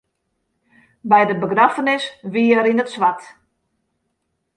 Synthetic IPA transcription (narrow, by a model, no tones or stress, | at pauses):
bɛjdəbəɡnafənɪsʋiəɾinətsʋat